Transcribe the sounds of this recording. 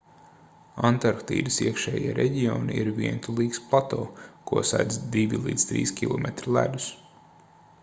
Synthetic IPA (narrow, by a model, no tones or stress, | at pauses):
ant̪aɾkt̪ḭːd̪isiɛkʃɛːjiɛɾʔɛɟiɔniiɾviɛnt̪ʰulˠiːksplˠat̪oːkuɔsad̪zd̪ivʲilˠḭːd̪st̪ɾḭːskʲilˠɔmɛt̪ɾilˠæ̰d̪us